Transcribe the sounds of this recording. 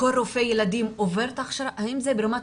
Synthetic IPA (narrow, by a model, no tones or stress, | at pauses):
olɾofejelad̪imoveɾt̪aχʃɾaʔaimzebeɾama